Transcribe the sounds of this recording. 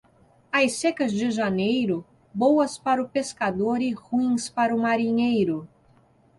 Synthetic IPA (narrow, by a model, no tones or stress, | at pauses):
ɐjsekɐzd͡ʒɪʒanejɾʊ | bowɐspaɾʊpeskad̪oɾɪhuĩspaɾʊmaɾiɲejɾʊ